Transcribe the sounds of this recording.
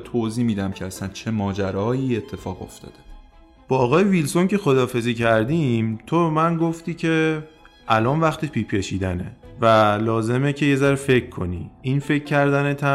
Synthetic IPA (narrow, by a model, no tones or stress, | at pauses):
t̪ʰoziːmiːd̪æmcʰeæsænt͡ʃʰemɒːd͡ʒæɾɒːjiːe̞t̪ʰːe̞fɒːɣo̞̰ft̪ɒ̰ːd̪̥e | b̥ɒːɣɒːjevilsonce̞xo̞d̪ɒːfe̞ziːcʰæɾd̪imt̪ʰomænɡoft̪iːcʰe̞ | ʔælɒːnvæxt̪ʰepʰiːpʰe̞ʃiːd̪ænḛvælɒːze̞mecʰe̞je̞zæɾefe̞cʰkʰːo̞̰nḭːʔinfe̞cʰːæɾd̪ænet̪ʰæ